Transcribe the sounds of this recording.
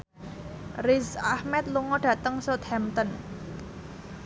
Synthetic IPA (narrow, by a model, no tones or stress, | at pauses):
rizahmɛt̪̚luŋɔɖ̥ä̤t̪əŋsot̪hɛmt̪ɔn